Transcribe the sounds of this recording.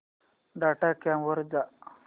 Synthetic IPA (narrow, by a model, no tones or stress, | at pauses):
ɖaʈakamʋəɾd͡za